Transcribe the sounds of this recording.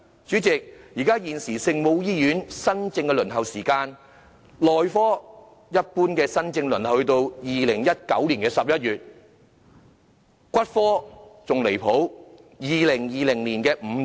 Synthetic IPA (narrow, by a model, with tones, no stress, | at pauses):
t͡ʃyː˨˥t͡sɪ˨k̚jiː˨˩kaː˥jiː˨nsiː˨˩sɪ˨ŋmo˨˧wjiː˥jyː˨˥nsɐ˥nt͡sɪ˧ŋkɛ˧lɵ˨˩nɦɐ˨wsiː˨˩kaː˧n | lɔː˨˩jfɔː˥ | jɐ˥t̚puː˥nkɛː˧sɐ˥nt͡sɪ˧ŋlɵ˨˩nhɐ˨˩hɵ˧jt̪o˧wjiː˨lɪ˨˩ŋjɐ˥t̚kɐ˨˥wliː˨˩nkɛː˧sɐ˨p̚jɐ˥t̚ɥyː˨t̚ | kʷɐ˥t̚fɔː˥t͡sʊ˨ŋle˨˩jpʰo˨˥wjiː˨lɪ˨˩ŋjiː˨˧lɪ˨˩ŋliː˨˩nkɛː˧m̩ː˨˧˨